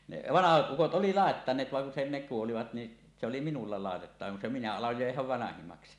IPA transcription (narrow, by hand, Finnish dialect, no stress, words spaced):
ne ʋɑnɑhɑt ʔukot ʔoli lɑˑetːɑnˑeːt ʋɑŋ kun se ne kuoliʋɑt ni se oli minulːɑ lɑˑetetːɑʋɑ kun se minæ ɑloj jo jeæhæʋ ʋɑnɑhimɑksi